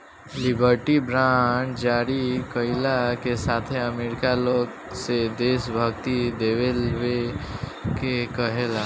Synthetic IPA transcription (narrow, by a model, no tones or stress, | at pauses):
lɪbʱəɾʈibɾaːʈd͡ʒaːɾikəɪlakesaːt̪ʰeəmeːɾɪkaloːɡ | sed̪eːsbʱəɡt̪id̪eːʋelwe | kekəɦeːla